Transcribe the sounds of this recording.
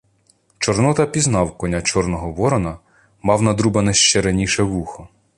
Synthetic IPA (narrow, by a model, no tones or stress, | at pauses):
t͡ʃɔrnɔt̪ɐpʲiznɑwkɔnʲat͡ʃɔrnɔɦɔʋɔɾɔnɐ | mɑwnɐd̪ɾubɐnɐʃt͡ʃɛɾɐnʲiʃɛʋuxɔ